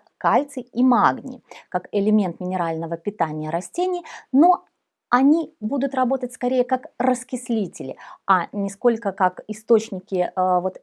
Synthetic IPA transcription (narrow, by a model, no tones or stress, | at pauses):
kalʲt̪sɨimaɡnʲɪ̰kakɪlʲɪmʲe̞nt̪mʲɪnʲɪɾalʲnəvəpʲɪt̪anʲɪjəɾɐsʲtʲenʲɪjno̞ | ɐnʲibud̪ʊt̪rɐbo̞t̪ət̚ʲskɐɾʲejəkakrəskʲɪsʲlʲitʲɪlʲɪ̰anʲɪsko̞lʲkəkakɪst̪o̞t͡ɕnʲɪkʲɪvo̞t̪